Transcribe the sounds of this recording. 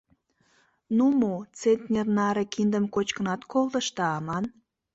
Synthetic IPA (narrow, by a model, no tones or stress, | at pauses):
numot͡senʲt̪ʲnʲernɑɾekind̪əmkot͡ɕkənɑt̪kolˠd̪ə̆ʃt̪ɑɑmɑn